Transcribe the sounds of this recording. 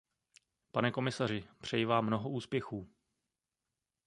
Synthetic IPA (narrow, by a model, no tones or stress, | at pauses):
panɛko̞mɪsar̝ɪpr̝̥ɛjɪvaːmːno̞ɦoʔuːspjɛxuː